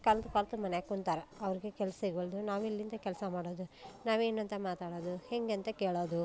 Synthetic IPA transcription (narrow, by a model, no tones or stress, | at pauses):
kɐlt̪ukaːlt̪umɐneɐkuɳt̪aːɾɐɐʋɐɾiɡekɛlɐsɐiɡɐɭd̪unaːʋilːind̪ɐkɛlɐsɐmaːɽoːd̪unaːʋe̞ːnɐnt̪ɐmaːt̪aːɽoːd̪uheŋɡɐnt̪ɐkeːɭoːd̪u